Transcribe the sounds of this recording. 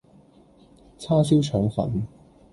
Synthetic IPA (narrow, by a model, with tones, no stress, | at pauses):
t͡sʰaː˥siː˥wt͡ʃʰœː˨˥ŋfɐ̰˨˥n